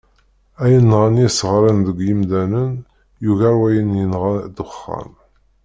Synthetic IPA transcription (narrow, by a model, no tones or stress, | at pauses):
æjənːʁənisəʁɾˤənðəɡʷjimd̪ænən | juɣæwæjənjənʁad̪ʊχːɑ̰n